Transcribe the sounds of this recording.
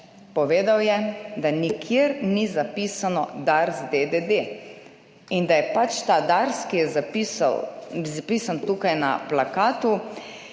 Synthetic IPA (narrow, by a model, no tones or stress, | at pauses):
pɔʋeːd̪awjɛd̪anikʰjeɾnizapisanɔd̪aɾzd̪ed̪ed̪e | ind̪ajɛpat͡ʃt̪aːd̪aɾskijɛzapisa̰wzapiːsant̪uːkajna̰plakaːt̪u